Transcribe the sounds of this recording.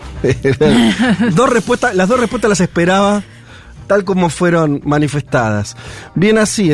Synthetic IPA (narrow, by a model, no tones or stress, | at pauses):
ɾad̪o̞srehpwest̪alaɦðo̞repwet̪alas̬ehpeɾaβa | t̪alk̬o̞mo̞fwe̞ɾonmanifest̪aða̰sbjenasi